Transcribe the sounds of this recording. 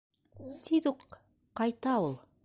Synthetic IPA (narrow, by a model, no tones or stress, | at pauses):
t̪ʰid̪uq | qːɑjt̪ɑwolˠ